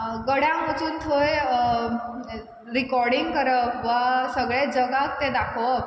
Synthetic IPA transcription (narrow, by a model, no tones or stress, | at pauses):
ɡəɽjãmət͡suːnt̪ʰoj | ɾikɔɾɽiŋɡkəɾəpʋasəɡɭed͡zəɡak̚t̪ed̪akʰʋə